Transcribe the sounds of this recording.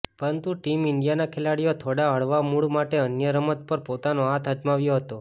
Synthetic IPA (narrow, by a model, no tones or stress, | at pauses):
pəɾənt̪uʈimɪɳɖijanakʰelaɽijot̪ʰoɽaəɭʋamuɭmaʈeənjəɾəmət̪̚pəɾpot̪anoat̪ʰəd͡ʒmaʋjoɦət̪o